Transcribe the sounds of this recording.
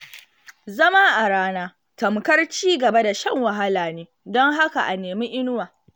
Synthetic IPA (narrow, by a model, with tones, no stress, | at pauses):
zɐ˦ma˦ʔa˨ɽaː˦naː˦ | tɐ˨mkɐ˦rt͡ʃiː˦ɡɐ˨ba˦da˨ʃɐ˦ŋwɐ˨ɦa˦laː˨neː˦ | dɔ˦ŋɦa˦ka˨ʔa˨neː˨mi˦ʔɪ˦nʊ˦waː˨